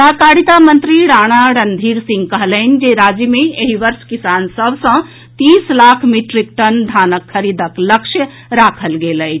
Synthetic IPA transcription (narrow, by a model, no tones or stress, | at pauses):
akaɽit̪amənt̪ɾiɾaɽ̃aɾənd̪ʱiɾsĩŋɡkəɦlənĭd͡ʒeɾad͡ʒjəmeeɦiʋəɾʃkisansəbʱsə̃ | t̪islakʰmiʈɾikʈənd̪ʱanəkʰːəɾid̪əkləkʃjə | ɾakʰəlɡelət͡ʃʰ